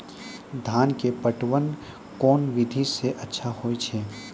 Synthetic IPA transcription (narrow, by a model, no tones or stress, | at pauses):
d̪ʱaːnkepəʈwən | kɔːnʋɪd̪ʱiseʔɐtːʃʰahoːet͡ʃʰeː